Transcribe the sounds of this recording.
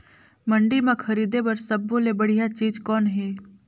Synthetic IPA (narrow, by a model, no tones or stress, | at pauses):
məɳɖimãkʰɐɾiːd̪ebəɾsəbːõlebəɽijat͡ʃiːd͡ʒkɔːnɦeː